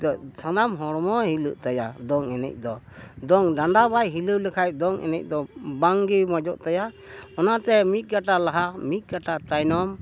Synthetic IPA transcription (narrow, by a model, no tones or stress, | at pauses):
sanamɦɔɽmɔhiluʔt̪ajad̪ɔŋɛnɛ̰c̚ˀd̪ɔ | d̪ɔŋɖaɳɖabajɦiluwlɛkʰaj̚d̪ɔŋʔɛ̰nɛc̚d̪ɔbaŋɡimad͡ʒɔʔt̪aja | ɔnat̪ɛmit̪̚ˀɡaʈalaɦamit̪̚ˀɡaʈat̪ajnɔm